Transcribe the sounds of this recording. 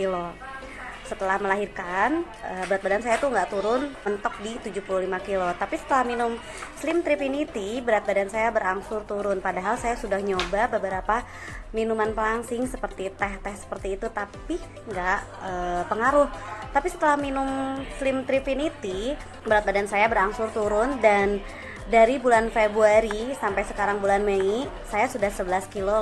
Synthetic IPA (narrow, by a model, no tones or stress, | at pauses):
kilo | sət̪əlahməlaɦirkan | əbəɾat̪̚badansajat̪uŋɡaʔt̪uɾʊnmənt̪ɔk̚dit̪ud͡ʒupuluhlimakilot̪apisə̥t̪əlahminʊm | slɪmt̪ɾifinit̪ibəɾat̪̚badansajabəɾaŋsʊrt̪uɾʊnpadaɦalsajasudahɲobabəbəɾapa | minumanpəlaŋsɪŋsəpərt̪it̪ɛht̪ɛhsə̥pərt̪iːt̪ut̪api | ŋɡaʔəːpəŋaɾʊht̪apisət̪əlahminʊmslɪmt̪ɾifinit̪i | bəɾat̪̚badansajabəɾaŋsʊrt̪uɾʊndan | daɾibulanfebɾuaɾisampajsəkaɾaŋbulanmei | sajasudahsəbəlaskilo